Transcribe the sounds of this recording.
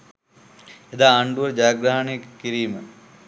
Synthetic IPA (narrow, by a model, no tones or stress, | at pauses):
ed̪aːɳɖuʋəɾd͡ʒaːɡɾaɦɐnekkiɾiːmə